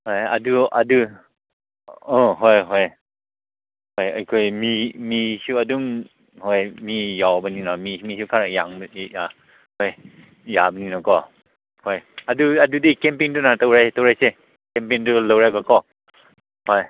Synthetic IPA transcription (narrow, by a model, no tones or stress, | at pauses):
hɔja̰duadu | ɔɦɔjɦɔj | hɔjajkʰɔjmimisuaduŋ | hɔjmijawbəninɔmimisukʰaɾajaŋja | hɔj | jabəninɔkɔ | hɔjaduadudikɛmpiŋdunatowɾajtowɾajse | kɛmp̬iŋdulowɾajbakɔ | hɔj